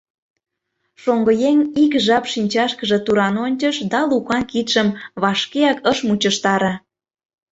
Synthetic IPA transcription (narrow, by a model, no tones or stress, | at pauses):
ʃoŋɡəjeŋikʒɑpʃinʲt͡ɕɑʃkəʒĕt̪uɾɑnonʲt͡ɕəʃd̪ɑlukɑnkit̪ʃəmβɑʃkeɑkəʃmut͡ɕəʃt̪ɑɾɑ̆